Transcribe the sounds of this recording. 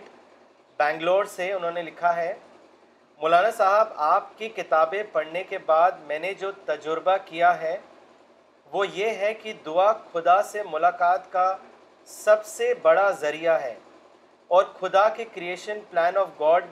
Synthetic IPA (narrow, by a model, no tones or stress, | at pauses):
ʈ | bɛ̃ːŋɡloːɖseʊnɦõːnelɪkʰaɦɛ | mʊlaːnasaːɦəbaːp̚kikɪt̪aːbẽpɐɽnekebaːd̪mɛ̃ːned͡ʒoːt̪ɐd͡ʒʊɾbakijaɦɛ | ʋojeɦɛkid̪ʊaxʊd̪asemʊlaːkaːt̪ka | sɐbsebɐɽazɐɾijaɦɛː | ɔːɾxʊd̪akekɾieːʃənplɛ̃ːnɔːfɡɔːɾɖ